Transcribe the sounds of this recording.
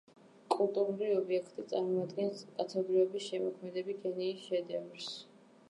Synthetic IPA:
kʼulˠt̪ʼuɾuɾiɔbiɛkʰt̪ʼit̪sʼaɾmɔad̪ɡɛnskʼat̪ʰɛb̪ɾiɔbisʃɛmɔkʰmɛd̪ɛbikʰɛniːsʃɛd̪ɛvɾs

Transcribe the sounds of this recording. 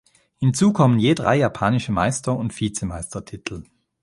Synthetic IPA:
hɪnt͡suːkʰɔmənjeːdʁa̰ɪjapʰaːnɪʃəma̰ɪstɐʊntfiːt͡səmaɪstɐtʰɪtʰl̩

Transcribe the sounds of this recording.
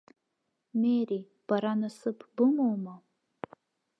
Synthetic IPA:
meɾi | b̥aɾanasɨpʰbɨmowma

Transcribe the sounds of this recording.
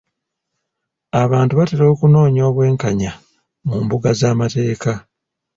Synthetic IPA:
aβaːntuβateɾo̞ːkuno̞ːɲo̞ːβwe̞ːŋkaɲa | muːmbuɡazaːmate̞ːka

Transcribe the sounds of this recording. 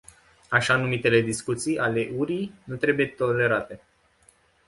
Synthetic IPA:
aʃanumit̪e̞le̞d̪iskut̪sijale̞ʔuɾijnut̪ɾe̞buje̞t̪ole̞ɾat̪e̞

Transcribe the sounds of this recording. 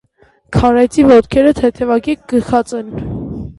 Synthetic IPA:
kʰɑɾɛjt͡sʰivɔt̪kʰɛɾət̪ʰɛt̪ʰɛvɑkik̚ɡ̥əxɑt͡sɛn

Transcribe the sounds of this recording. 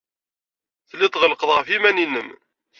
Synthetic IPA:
θlːɪt̪ˤʁəlqəðˤʁəfimæninəm

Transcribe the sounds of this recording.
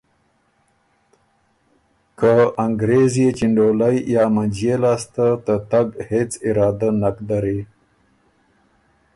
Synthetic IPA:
kəaŋɡɾezijet͡ʃiɳɖolajjɑːmand͡ʒjelɑːst̪at̪ət̪aɡhet͡sɪɾɑːd̪anakd̪aɾe

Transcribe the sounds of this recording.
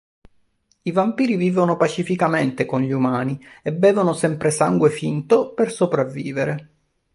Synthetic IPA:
ivampiːɾiviːvonopat͡ʃifikament̪ekonʎiumaːniebːɛːvonosɛmpɾesaŋɡwefint̪opersopɾavːiːveɾe

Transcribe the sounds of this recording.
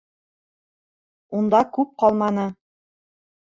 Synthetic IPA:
und̪ɑkʉp̚qɑlˠmɑnɤ

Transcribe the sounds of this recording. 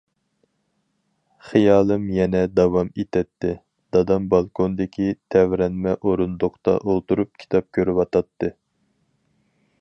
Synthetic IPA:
χijɑːlˠɨmjɛnɛd̪ɑwɑmet̪ʰɛt̪ːɪ | d̪̥ɑd̪ɑmbɑlˠkʰond̪ɪkʲit̪ʰɛvɾɛnmɛʔoɾund̪oqt̪ɑ̰ʔolˠt̪uɾup̚kʲʰi̥t̪ʰɑp̚kʲʰøɾywɑt̪ʰɑt̪ːɨ

